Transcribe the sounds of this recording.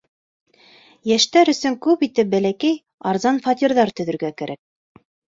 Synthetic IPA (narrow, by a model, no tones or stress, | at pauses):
jæʃt̪æɾɵ̆sɵŋkʉpit̪ɘp̚bælækæj | ɑɾzɑnfɑt̪ʲiɾðɑɾt̪ɵ̆ðɵ̆ɾɡækæɾʔæk̚